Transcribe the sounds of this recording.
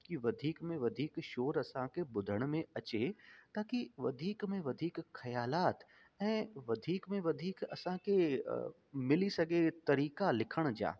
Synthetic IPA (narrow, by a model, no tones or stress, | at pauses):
kiʋɐd̪ʱiːkmẽʋɐd̪ʱiːkʃoːɾɐsãkʰebʊd̪ʱəɽ̃mẽɐt͡ɕet̪aːkiʋɐd̪ʱiːkmẽʋɐd̪ʱiːkxɐjaːlaːt̪ | ɛ̃ːʋɐd̪ʱiːkmẽʋɐd̪ʱiːkɐ̰sãkʰe | mɪlisɐɡʱet̪ɐɾiːkalɪkʰəɽ̃d͡ʑa̰ː